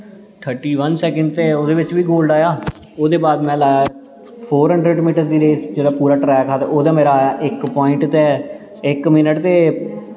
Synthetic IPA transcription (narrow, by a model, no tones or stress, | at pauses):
ʈ̪ʰəɾʈiːʋənsɛːkə̃ɳɖt̪eːoːd̪eːʋɪt͡ʃʋiːɡoːlɖaːjaː | oːd̪eːbaːd̪mɛ̃ːlaːjaː | pʰoːɾɦə̃ɳɖɾeɖmiːʈəɾd̪iːɾeːsd͡ʒeːɽaːpuːɾaːʈɾɛːkaːt̪eʔoːd̪aːmeːɾaːjaːʔɪkpɔːɪ̃ɳʈt̪e | ɪkmɪnəʈt̪eː